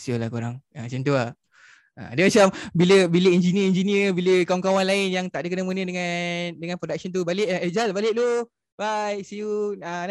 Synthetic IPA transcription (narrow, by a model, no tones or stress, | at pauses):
siulahkuɾaŋat͡ʃənt̪ua | a̰dəmat͡ʃambiləbiləɛnd͡ʒiniəɛnd͡ʒiniəbiləkawaŋkawanlaɪnjaŋt̪aʔdəkənəmunədəŋadəŋanpɾodak̚sənt̪̬ubalɪʔed͡ʒalbalɪʔt̪u | bajsiuan